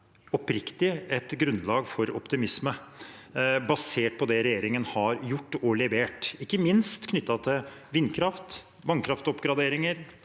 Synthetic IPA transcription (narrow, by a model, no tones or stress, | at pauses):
ɔpɾɪkt̪ɪɛt̪ɡɾʉnd̪lɑːɡfɔɾɔ̰pt̪ɪmɪsmə | bɑseːʈ̚pʰɔd̪ɛɾɛjeːɾɪŋənhɑɾjʊʈːɔlɛʋeːʈɪkːəmɪnst̪kʰnʏt̪ːɑt̪ʰɪlʋɪnːkʰɾɑft̪ | mɑŋkʰɾɑft̪ɔpɡɾɑd̪eːɾɪŋəɾ